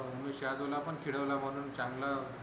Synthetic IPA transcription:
ɦumːeɕjad̪olapəɳkʰiɽəʋlaməñuːnt͡ɕãŋɡla

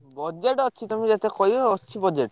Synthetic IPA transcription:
bɔd͡ʒeʈɔt͡ʃʰit̪umid͡ʒat̪ekɔjɔt͡ʃʰibɔd͡ʒeʈ

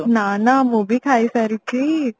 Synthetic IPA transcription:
naːnamuːbikʰaːisɐɾiki

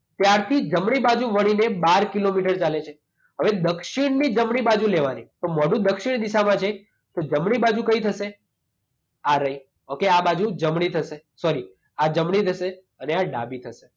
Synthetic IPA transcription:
t̪jaɾt̪ʰid͡ʒəmɽ̃ibad͡ʒũʋəɽ̃inebaɾkilomiʈəɾt͡ʃalet͡ʃʰe | ɦəʋed̪əkʃiɽnid͡ʒəmɳibad͡ʒũleʋanit̪omɔɽũd̪əkʃiɽ̃d̪iʃamãt͡ʃʰe | t̪od͡ʒəmɽibad͡ʒũkəit̪ʰəʃe | aɾəɦi | okeabad͡ʒũd͡ʒəmɽ̃it̪ʰəʃe | sɔɾi | ad͡ʒəmɳ̃it̪ʰəʃe | əneaɖa̰bit̪ʰəʃe

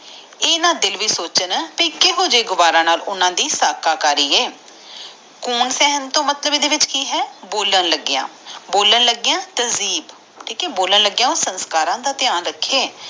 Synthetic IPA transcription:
eːnaːd̪ɪlʋiːsoːt͡ʃənpiːkɪɦõːd͡ʒeːɡʊʋaːɾãːnaːlʊnãːd̪iːsaːkaːkaːɾiːeː | kuːnsɛːɦənt̪õːmət̪ləbiːd̪eːʋɪt͡ʃkiːɦɛːboːlənləɡːɪjã̰ːboːlənləɡɪjãːt̪əziːb | ʈʰiːkɛːboːlənləɡjãːoːsənskaːɾãːd̪aːt̪ɪjaːnɾəkʰːeː

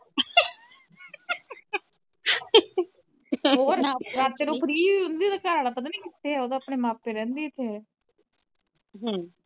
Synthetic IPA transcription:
ɦoːɾɾaːt̪ːeːnõpəɾiːʊnd̪iːd̪əkaːɾaːlapət̪̬aːnĩːkɪt̪ːeːɛːoːd̪oːapɳeːmaːpːeɾɛ̃ːnd̪iːt̪ʰːeɛː | ɦãː

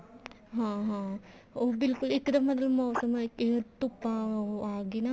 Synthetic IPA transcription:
ɦãɦãobilkulikd̪ɐmːɐd̪lɐmɐwsɐmaket̪upaaːɡina

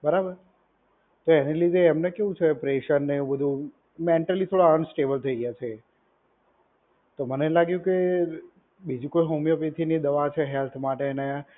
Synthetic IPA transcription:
bəɾabəɾ | t̪oenelid̪ʱeːmnekeʋũt͡ʃʰepɾeʃənːebəd̪ʱũ | meɳʈəlit̪ʰoɽaənsʈebəlt̪ʰəiɡjat͡ʃʰe | t̪omənelaɡjũke | bid͡ʒũkojɦomjəpet̪ʰinid̪əʋat͡ʃʰeɦelt̪ʰmaʈene

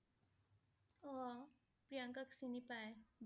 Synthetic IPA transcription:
ɔ | pɾijə̃ŋkəksinipaːeb

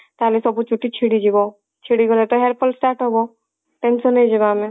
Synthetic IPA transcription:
t̪aɦlesɔbut͡ʃuʈːit͡ʃʰiɽid͡ʒibɔ | t͡ʃʰiɽiɡɔlet̪ɔɦeɾpʰɔlsʈaɾʈɦɔbɔ | ʈensɔned͡ʒibame

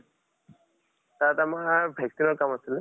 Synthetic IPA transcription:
tatamabʱjak̚sinɔɹkamasil

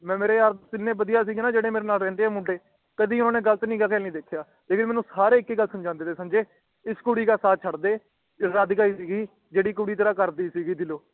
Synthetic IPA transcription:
mɛ̃ːmeːɾeːaːɾsɪnːẽːbəd̪ijaːs̬iːɡeːnaːd͡ʒeːɽeːmeːɾeːnaːlɾɛ̃ːnd̪eːɛːmʊɖeː | kəd̪iːʊnaːneːɡəlt̪nĩːɡakɛːnĩːd̪eːkʰːjaː | t̪eːkʰɪɾmɛ̃ːnũːsaːɾeːɪkːeːɡəlsəmd͡ʒãːnd̪eːt̪eːsəmd͡ʒeː | ɪskuːɽiːkaːsaːt͡ʃʰəɽd̪eː | ɾəd̪kaːiːsiːɡiː | d͡ʒeːɽiːkuɽiːt̪əɾaːkəɾd̪iːsiːɡiːd̪ɪloː

